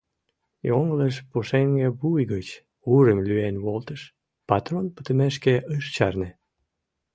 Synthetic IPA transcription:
joŋələʃpoʃeŋɡebujɣət͡ɕ | uɾəmlyenβolt̪əʃ | pɑt̪ronpə̥t̪əmeʃkeʔəʃt͡ɕɑrne

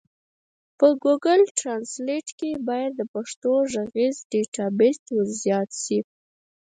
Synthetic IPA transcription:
pəɡuɡəlʈɾɑnsleʈkebɑjad̪ːəpaʂt̪oʒaɣizɖeʈɑbest̪wəɾzjɑt̪ʃi

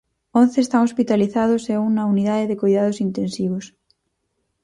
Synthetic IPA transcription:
õn̟θeːst̪aŋospit̪aliθaðoseunɐuniðaðeðekojðað̞osint̪ẽnsiβ̞os

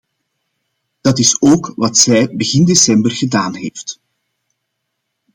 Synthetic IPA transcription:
d̥ɑtɪsoːkʋɑtsɛjbəɣɪndesɛmbərɣədaːnɦḛːft

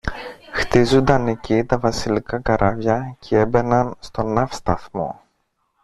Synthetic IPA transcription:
xt̪izund̪ɐne̞cit̪ɐvɐsilikɐkɐɾʔɐvʝɐcʰee̞be̞nɐnst̪o̞nɐfst̪ɐθmo̞̰

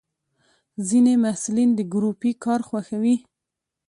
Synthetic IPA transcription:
zinemahsulind̪əɡɾupikɑɾxwaxawi

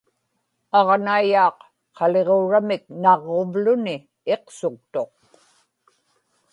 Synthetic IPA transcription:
ɑʁnaijɑːqːʰ | ɑle̞ʁoɻamɪk̚nɑʁːovlʊnɪ | e̞qsʊk̚t̪oq̚

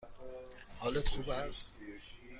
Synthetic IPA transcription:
hɒːlet̪xuːbæst̪

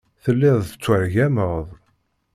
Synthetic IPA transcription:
θəlːɪðˤət͡sːəɾʝæməʁðˤ

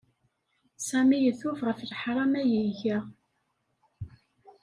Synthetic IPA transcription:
sæmijəθuvʁəflħɾˤɑmæjəʝæ

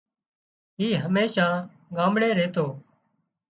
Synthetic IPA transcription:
ɦiːɦəmeːʃãː | ɡaːmɽeːɾeːt̪oː

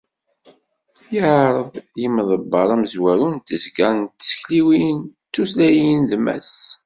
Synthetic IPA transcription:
jəʕɾˤəðˤjəmːðˤəbːɑɾˤæməzwæɾunt̪əzɡɑɾˤnt̪ːsə̥çliwint͡sːuslæjinlmæ̰s

